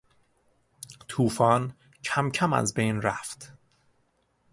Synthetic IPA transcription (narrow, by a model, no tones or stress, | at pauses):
t̪ʰuːfɒːn | cʰæmcʰæmæ̰zbe̞jnɾæft̪